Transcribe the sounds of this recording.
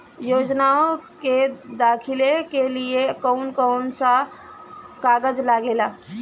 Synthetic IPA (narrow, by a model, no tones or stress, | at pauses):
joːd͡ʒnaõked̪aːkʰɪlekeliekɔːnkɔːnsa | kaːɡəd͡ʒlaːɡeːlaː